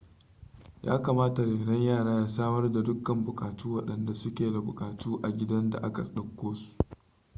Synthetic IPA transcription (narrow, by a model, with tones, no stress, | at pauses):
jʔa̰ː˦kaː˨maː˦ta˨ɽeː˨ɽɐ˦ɲjaː˦˨ɽaː˦jaː˦saː˦mɐ˦rda˨dʊ˦kːɐ˨mbʊ˨kʼaː˨tuː˦wɐ˦ɗɐ˨nda˨sʊ˦kʲeː˨da˨bʊ˨kʼaː˨tuː˦ʔa˨ɡʲɪ˦dɐ˦nda̰˨ʔa˦ka˨sʼɗɐ˨kʷːoː˦su̥˨ʔ